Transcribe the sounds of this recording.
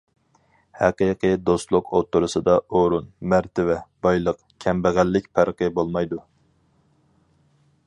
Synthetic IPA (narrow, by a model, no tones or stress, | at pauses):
hæqɨqʰɨd̪ost̪lˠʊqʰot̪ːuɾʊsɨd̪ɑoɾunmæɾt̪ʰɪvɛb̥ɑjlˠəq | kʲʰɛmbæʁælːɪkʲpʰæɾqɨbolˠmɑjd̪u